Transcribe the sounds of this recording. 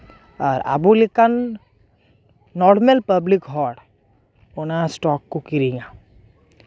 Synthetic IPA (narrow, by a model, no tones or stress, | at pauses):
ɔːɾa̰bulikan | ɔːɾmelpɐblikɦɔːɽ | ʊnasʈɔːkːkokiɾiɡa